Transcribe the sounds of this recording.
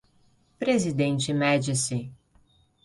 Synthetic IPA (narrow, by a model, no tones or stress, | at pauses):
pɾezid̪ẽnt͡ʃɪmɛd͡ʒɪsɪ